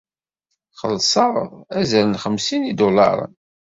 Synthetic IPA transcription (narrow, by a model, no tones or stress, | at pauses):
χə̰lsˤɑʁæzæɾənχəmsinid̪olɑ̰ɾˤə̰n